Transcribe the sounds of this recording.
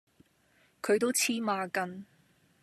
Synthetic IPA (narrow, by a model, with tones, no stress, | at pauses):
kʰɵ˨˧ɥt̪o˥wt͡sʰiː˥maː˧kɐ˧n